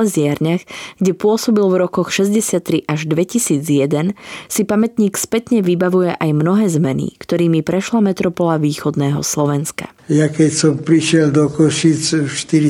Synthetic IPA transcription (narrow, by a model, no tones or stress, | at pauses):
ɛzɪaɾɲaxɡ̥ɟɛpʊɔsɔbilvɾɔkɔxʃɛzɟɛsɪat̪ːɾiʔaʒd̪ʋɛcisiːd͡zjɛd̪ɛnsipamɛt̪ɲiːkspɛt̪ɲɛʋibaʋujɛʔajmnɔɦɛːzmɛnḭkt̪ɔɾiːmipɾɛʃlamɛt̪ɾɔpɔlaʋiːxɔd̪nɛːɦɔ̰slɔʋɛnska̰ | jakɛcsɔmpɾiʃɪɛld̪ɔkɔʃit͡sʃt̪iɾi